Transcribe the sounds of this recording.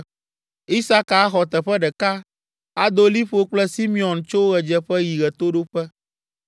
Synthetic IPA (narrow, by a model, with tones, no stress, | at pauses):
i˦sa˦ka˨˦xɔ˨t̪ɛ˨ɸɛ˦ɖɛ˨ka˦ | a˦d̪o˦li˦ɸo˦k͡plɛ˦si˦mĩ˦ɔ̃˨nt͡ʃo˦wo˦ɣɛ˨d͡ʒɛ˦ɸɛ˦ji˨ɣɛ˨t̪o˦ɖo˦ɸɛ˦